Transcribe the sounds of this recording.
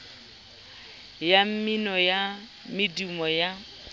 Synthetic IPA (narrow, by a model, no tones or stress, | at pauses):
jam̩minɔja | mɪdimɔja